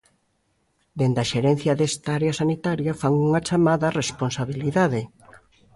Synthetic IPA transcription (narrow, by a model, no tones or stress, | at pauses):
d̪end̪aʃeɾen̟θjɐðest̪aaɾeasanit̪aɾjɐfaŋuŋat͡ʃamaðɐresponsaβiliðaðe